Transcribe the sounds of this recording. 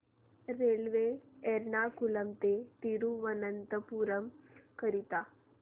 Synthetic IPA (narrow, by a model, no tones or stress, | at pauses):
ɾelʋeːɾnakuləmt̪et̪iɾuʋənənt̪əpuːɾəmkəɾit̪a